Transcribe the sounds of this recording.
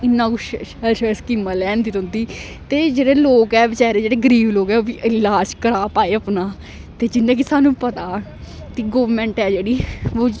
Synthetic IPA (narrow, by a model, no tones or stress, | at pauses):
ɪnːãːkuːʃɛlʃəskimːalɛːnd̪iːt̪ɦʊ̃nd̪iː | t̪eːd͡ʒeːɽeːloːkɛːʋɪt͡ʃaːɾeːd͡ʒeːɽeːɡəɾiːbloːkɛːoːʋiːʔɪlaːd͡ʒkəɾaːpaːeːəpnaː | t̪eːd͡ʒɪnːẽːk̬ɪsaːnũːpət̪aː | k̪iɡoːʋmɛ̃ːɳʈɛːd͡ʒeːɽiːoː